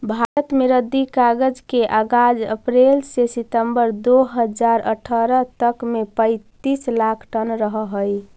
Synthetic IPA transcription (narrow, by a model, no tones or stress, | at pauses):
bʱaɾət̪meɾəd̪ːikaɡəd͡ʒkeʔaɡad͡ʒə̰pɾelsesit̪əmbəɾd̪oɦəd͡ʒaɾə̰ʈʰəɾət̪əkmepə̃ɪt̪islakʰʈənɾəɦəɦəj